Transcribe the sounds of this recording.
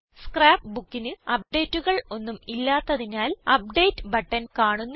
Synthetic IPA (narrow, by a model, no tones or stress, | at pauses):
skraːpbukːinɨɐp̚ɖe̞ːtːuɣɐɭo̞nːumilːaːt̪ːɐðinaːlɐp̚ɖe̞jtːɨbɐʈːɐnkaːɳunː